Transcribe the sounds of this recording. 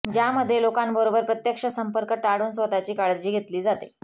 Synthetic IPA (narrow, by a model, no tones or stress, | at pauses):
d͡ʑjaməd̪ʱːjelokambəɾobəɾpɾət̪jəkʂəsəmpəɾkəʈaɽuːnsʋət̪at͡ɕiːkaɭd̪d͡ʑiːɡʱet̪liːd͡zat̪ḛ